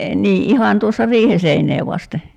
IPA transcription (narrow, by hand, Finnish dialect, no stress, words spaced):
niː ʔihɑn tuosːɑ riːhe seinˑeː ʋɑste